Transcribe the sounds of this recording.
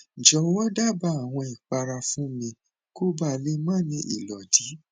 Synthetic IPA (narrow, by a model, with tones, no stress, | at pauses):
d͡ʒɔ˨˧wɔ˦da˦˨ba˧˦a˨w̃ɔ̃˧i˨k͡pa˧ɾa˧fũ˦mĩ˧ | ko˦ba˦˨le˦mãː˦˨nĩ˧ʔḭ˨lɔ˨di˨˦